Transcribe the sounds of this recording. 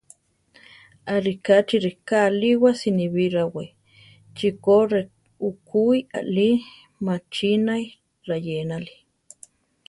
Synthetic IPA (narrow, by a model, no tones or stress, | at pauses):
aɾikat͡ʃiɾikaliwasiniβiɾawe | t͡ʃikoɾe | ukuia̰li | mat͡ʃinaj | ɾajenali̥